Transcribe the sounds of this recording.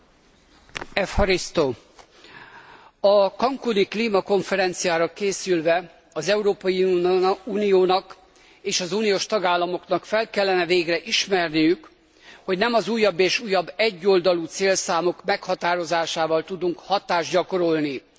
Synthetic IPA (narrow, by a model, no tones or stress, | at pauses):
ɛfhɒɾist̪o | ɒkɒŋkunikliːmɒko̞ɱfɛɾɛnt̪sijaːɾɒkeːsylvɛ | ɒzɛuɾoːpɒjiuːnijoːnɒk | eːʃɒzuːnijoːʃt̪ɒɡaːlːɒmoknɒkfɛlkɛlːɛnɛveːɡrɛʔiʃmɛrnijyk | ho̞ɟnɛmɒzuːjːɒbːeːʃuːjɒbːɛɟːo̞ld̪ɒluːt̪seːlsaːmo̞kmɛkhɒt̪aːɾo̞zaːʃaːvɒlt̪ud̪uŋkhɒt̪aːʒɟɒko̞ɾo̞lni